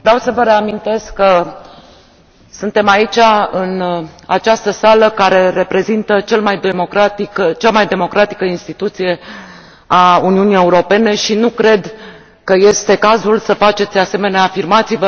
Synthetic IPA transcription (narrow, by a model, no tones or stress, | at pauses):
vɾawsəvəɾe̞amint̪e̞skːə | sɨnt̪e̞mait͡ʃʲaɨna̰t͡ʃast̪əsaləkaɾe̞ɾe̞pɾe̞zint̪ət͡ʃe̞lmajd̪emo̞kɾat̪ikət͡ʃamajd̪e̞mo̞kɾʔat̪i̥kəinst̪it̪ut̪sije̞ | auniunije̞uɾo̞pe̞ne̞ʃinukɾe̞d̪ | kəje̞st̪e̞kazulsəfat͡ʃe̞t̪sʲase̞me̞neaːfirmat̪sivə